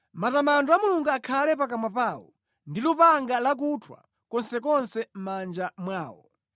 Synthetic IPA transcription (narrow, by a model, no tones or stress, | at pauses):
matamandɔamuluŋɡuakʰalɛpak̬amwapaːwɔ̰ | ndilupaŋɡalak̬utʰwa̰ | kɔnsɛkɔnsɛm̩mand͡ʒamwaːwɔ̰